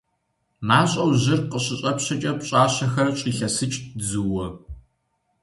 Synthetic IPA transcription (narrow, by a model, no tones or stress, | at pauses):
maːɕʼɐwʑɪrqəɕɪɕʼɐpɕɐt͡ʃʼɐpɕʼaːɕɐxɐrɕʼiːɬɐsɨt͡ʃʼzuwɔ